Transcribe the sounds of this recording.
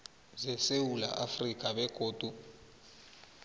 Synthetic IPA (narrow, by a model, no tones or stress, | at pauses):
zɛsewula̰ʔafrikʼaɓɛkʼoːd̥ʱu